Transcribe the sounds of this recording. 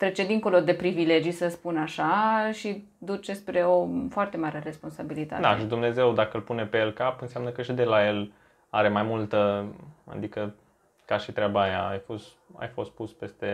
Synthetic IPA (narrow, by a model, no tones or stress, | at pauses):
t̪ɾe̞t͡ʃe̞d̪iŋko̞lo̞d̪e̞pɾivile̞d͡ʒijsəspunaʃaʃi | d̪ut͡ʃespɾe̞ofoart̪e̞maɾere̞spo̞nsabilit̪a̰t̪d̪aeʃid̪umne̞ze̞wd̪akəɨlpune̞pejelkapɨnseamnəkəʃid̪elaje̞l | aɾe̞majmult̪əa̰d̪ikə | kaʃit̪ɾeabaːjaajfost̪a̰jfo̞st̪̚puspe̞st̪e̞